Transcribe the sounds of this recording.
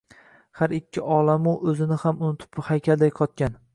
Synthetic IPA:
haɾɪkʲʰːɪʔɒlˠamʊʔɵzɪnɪhamʊnʊt̪ʰɪ̥phajkʲʰald̪ajqʰɒt̪̚kʲan

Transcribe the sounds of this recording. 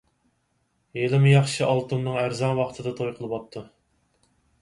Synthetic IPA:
jelɪmɪjɑχʃɨʔɑlˠt̪umnɨŋæɾzɑŋwɑqʰt̪ʰɨd̪ɑt̪ʰojqʰəlˠɨwɑp̚t̪ʰːu

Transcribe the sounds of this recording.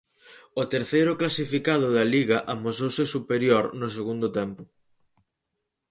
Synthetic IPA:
ʊt̪eɾθejɾʊklasifikaðʊðɐliɣɐʔamosowsɪsupeɾjoɾnʊs̬eɣund̪ʊt̪ɛmpʊ

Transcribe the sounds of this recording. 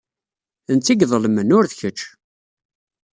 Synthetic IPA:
ənt͡s̪ːiɡðˤəlmənʊɾðçət͡ʃː

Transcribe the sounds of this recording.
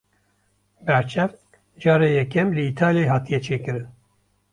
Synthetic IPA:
bɛɾt͡ʃʰɛft̪̚ | d͡ʒɑːɾɛjɛkɛmlɨiːt̪ʰaːljajɦɑːt̪ijɛt͡ʃʰeːkɨɾɨn

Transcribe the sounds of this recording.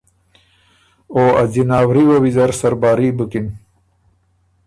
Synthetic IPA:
oːɐ̰zinaːwɾiwɐwizɐɾsɐɾbaːɾibəkin

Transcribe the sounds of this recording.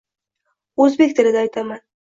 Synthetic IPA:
ɵzbe̞kʲt̪ʰɪlɪd̪aajt̪ʰaman

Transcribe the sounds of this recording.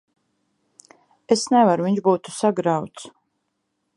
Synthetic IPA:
esnɛvaɾuviɲʒbuːt̪u̥saɡɾawt̪s

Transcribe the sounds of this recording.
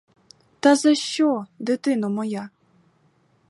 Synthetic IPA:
t̪ɐzɐʃt͡ʃɔd̪ɪt̪ɪnɔmɔja

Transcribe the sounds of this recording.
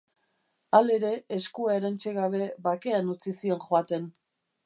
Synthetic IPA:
ale̞ɾe̞ːskuae̞ɾant͡ʃe̞ɣaβ̞e̞βake̞anut͡sisio̞nxoat̪e̞n

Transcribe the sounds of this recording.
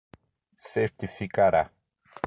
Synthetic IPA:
seɾt̪ifikaɾa

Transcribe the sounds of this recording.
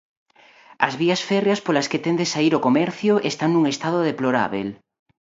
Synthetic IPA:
ɐ̰zβiasfɛrjaspolasket̪end̪esaiɾokomɛɾθjoʔest̪aŋnuŋest̪að̞oðeploɾa̰βḛl

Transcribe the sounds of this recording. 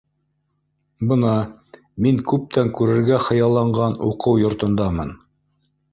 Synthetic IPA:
bɤ̆nɑ | miŋkʉp̚t̪æŋkʉɾɘ̆ɾɡæχɤ̆jɑlˠːɑɴɢɑnṵqɤwjŏɾt̪ŏnd̪ɑmɤn

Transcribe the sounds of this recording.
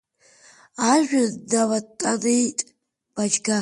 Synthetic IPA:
aʒᶣadawatʼanijtʼ | b̥ad͡ʒɡa

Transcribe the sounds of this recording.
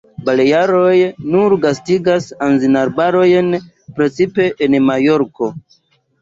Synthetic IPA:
balejaɾo̞jnuɾɡastiɡasanzinaɾbaɾo̞jn | pɾe̞t͡sipe̞ʔenmajo̞ɾko̞

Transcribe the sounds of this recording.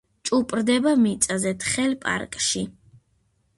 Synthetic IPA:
t͡ʃʼupʼɾd̪ɛbamit̪sʼazɛt̪ʰʼχɛlpʼa̰ɾkʼʃi

